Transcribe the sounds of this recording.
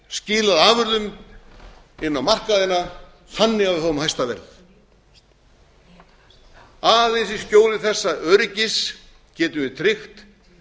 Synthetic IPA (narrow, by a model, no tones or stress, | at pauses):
scɪːlaðaːvʏɾðʏm | ɪnːawmar̥kaðɪna | θanːɪɣavɪθaːvʏmhajst̪avɛ̰ɾð | aːðɪsiscoːwlɪθɛsːaœːɾɪcɪs | cɛːt̪ʏvɪt̪ʰɾɪxt̪